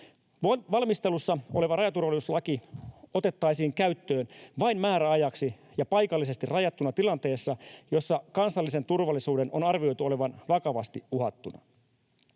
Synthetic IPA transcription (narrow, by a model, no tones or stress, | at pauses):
ʋɑlmist̪e̞lusːɑʔo̞le̞ʋɑrɑjɑt̪urʋɑlːˑisuslɑkio̞t̪e̞t̪ːɑjsiːŋkæyt̪ːøːnʋɑjnmæːɾæɑjɑksi | jɑpɑjkɑlːise̞st̪irɑjɑt̪ːunɑt̪ilɑnt̪e̞ːsːɑjo̞sːɑkɑnsɑlːise̞nt̪urʋɑlːˑisuːde̞no̞̰nɑrʋio̞jt̪uo̞le̞ʋɑnʋɑkɑʋɑst̪iuɦɑt̪ːunɑ̰